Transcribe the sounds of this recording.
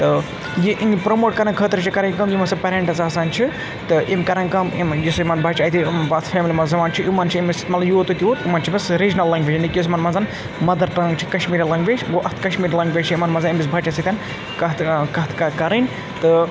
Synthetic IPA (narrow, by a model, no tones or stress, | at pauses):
t̪ɨ | jiʔiŋpɾɐmoːʈkɐɾɐkʰəːt̪ɾɨt͡ʃʰikɐɾɐnʲkɐmjimɐsɐpɐɾʲeːɳʈɐsaːsaːnt͡ʃʰi | t̪ɨʔimkɐɾɐŋkɐmimjɐsɐmɐnbʱɐːt͡ʃɐːt̪ʰibat̪ʰfʰʲeːmlimɐzɐmaːnt͡ʃʰiʔimɐːnt͡ʃʰiimisi̥t̪mɐt̪lɐmjoːt̪ut̪ʲiʋot̪imɐːnt͡ʃʰimɐsɾid͡ʒnɐlːɐŋɡʋʲeːd͡ʒinikʲjos̬mɐnmɐnzan | mɐd̪ɐɾʈɐːŋɡt͡ʃʰi̥kɐʃmiːɾilɐŋɡʋed͡ʒʲɡoʔɐt̪ʰkɐʃmiːɾlɐŋɡʋʲeːt͡ʃʰiimɐnmɐnzɐnimbis̬bʱɐt͡ʃɐsit̪ʲan | kɐt̪kɐt̪ʰkɐkɐɾɐnʲ | t̪ɨ